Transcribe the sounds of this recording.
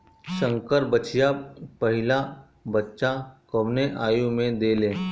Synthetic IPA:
sə̃ŋkəɾbət͡ʃijapəɦɪla | bətːʃakəʋneʔaːjũmẽd̪eːlẽː

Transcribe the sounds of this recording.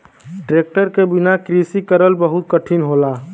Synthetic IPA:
ʈɾek̚ʈəɾkebinakɾisikəɾəlbəɦut̪̚kəʈʰinɦola

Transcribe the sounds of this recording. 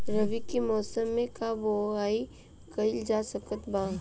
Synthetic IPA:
ɾɐʋikimɔːsəmːẽkaboaːi | kɐɪld͡ʒaːsɐkət̪bãː

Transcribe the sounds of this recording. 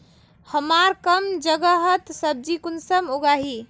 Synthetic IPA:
həmaɾkəmd͡ʒəɡəɦət̪səb̚d͡ʒikunsəmuɡaɦi

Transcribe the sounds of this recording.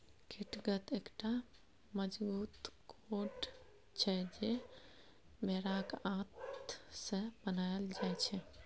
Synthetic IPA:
kʰiʈɡət̪eːkʈa | məd͡ʒbuːt̪kʰoʈ | t͡ʃʰɛd͡ʒe | meɾakãt̪sẽbənajld͡ʒajt͡ʃʰɛ

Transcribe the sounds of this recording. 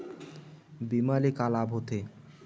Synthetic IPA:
bimalikalabʱot̪e

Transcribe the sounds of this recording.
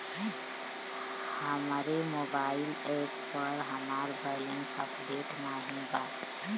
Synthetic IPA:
həmɾemoːbaːɪleːppəɾɦəmaːɾbələ̃nsə̰pleːʈnaɦĩbaːt̪

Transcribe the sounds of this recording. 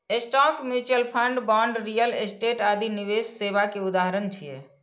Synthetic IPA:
esʈɔkmjut͡ʃəlpʰəɳɖbɔɳɖɾijəlesʈeʈad̪ʱiniʋesːebakeud̪aɦəɾənt͡ʃʰijɛ̰

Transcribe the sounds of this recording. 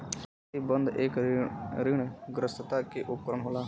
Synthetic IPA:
ibənd̪ekɾɪɳɡɾəst̪aːkeʔʊpːəɾəɳɦolaː

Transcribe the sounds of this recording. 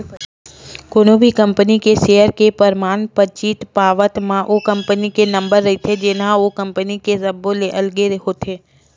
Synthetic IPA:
koːnõbʱikɐ̃mpənikeʃeːjəɾkepəɾmaːnpət͡ʃiːt̪paːʋət̪mãʔokɐ̃mpənikenɐ̃mbəɾːɐit̪ʰed͡ʒɪnãokə̃mpənikezɐbõleʔɐlɡeɾeɦot̪ʰeː

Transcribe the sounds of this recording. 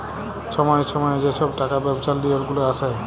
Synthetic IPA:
ʃɔmɔjeʃʰɔmɔjed͡ʑeʃʰɔbʈakabɛbosald̪ioɾɡuloasʰa

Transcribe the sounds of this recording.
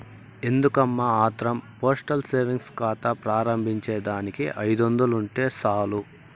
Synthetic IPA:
e̞nd̪ukɐmːaaːt̪ɾɐmpoːsʈɐlseːɾʋiŋɡskaːt̪ɐpɾaːɾɐmbʱiɲt͡ʃeːd̪aːnikiʔɐjd̪ond̪uluɳʈe̞ːsaːlu

